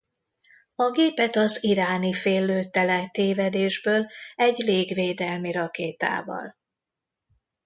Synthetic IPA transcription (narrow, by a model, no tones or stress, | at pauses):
ɒɡeːpɛt̪ɒziɾaːnifeːlːøːt̪ɛlɛt̪eːvɛd̪eːʒbøːlɛɟleːɡveːd̪ɛlmiɾɒkeːt̪a̰ːvɒ̰l